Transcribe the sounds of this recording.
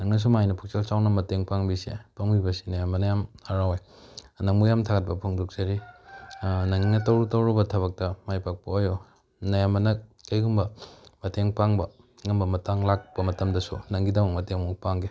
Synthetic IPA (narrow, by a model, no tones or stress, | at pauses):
nɐŋnɐs̬umajnɐpʰuk̚selsawnɐmɐteŋpaŋbisḛpɐŋbibɐsi̥nɐjamːɐnɐjamaɾawej | nɐŋmujamtʰaɡɐt̚pɐpʰuŋduk̚t͡ʃɐɾi | nɐŋinɐtɐwɾutɐwɾɐbɐtʰɐβɐk̚tɐmajpak̚pɐojo | nɐjamːɐnɐkɐjɡumbɐmɐteŋpaŋbɐ | ŋɐmbɐmɐtaŋlak̚bɐmɐtɐmdɐsṵnɐŋɡidɐmɐk̚mɐteŋmukpaŋɡe